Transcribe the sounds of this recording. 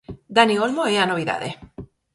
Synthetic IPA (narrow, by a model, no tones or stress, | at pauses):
d̪aniolmoeanoβiða̰ðḛ